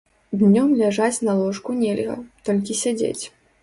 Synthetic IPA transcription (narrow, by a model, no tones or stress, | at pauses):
d̪nʲɔmlʲaʐat͡sʲnɐlˠɔʂkunʲɛlʲɣɐ̰t̪ɔlʲkʲisʲad͡zʲḛt͡sʲ